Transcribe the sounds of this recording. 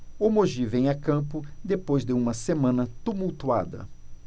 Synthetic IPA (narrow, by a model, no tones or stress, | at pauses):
omoʒivẽj̃akɐ̃pʊd̪epojzd̪ɪũmɐsemɐ̃nɐt̪umuwt̪ua̰d̪ɐ̰